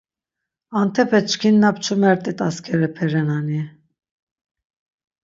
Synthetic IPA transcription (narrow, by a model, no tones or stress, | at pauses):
ant̪ʰɛpʰɛt͡ʃʰkʰinːapt͡ʃʰumɛɾt̪ʼɛt̪ʼaskʰɛɾɛpʰɛɾɛnani